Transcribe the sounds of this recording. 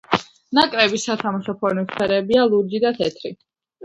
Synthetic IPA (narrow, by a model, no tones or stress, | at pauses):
nakʼɾɛbisːat̪ʰamaʃɔpʰɔɾniχʰɛɾɛbialˠuɾd͡ʒid̪at̪ʰɛt̪ʰɾi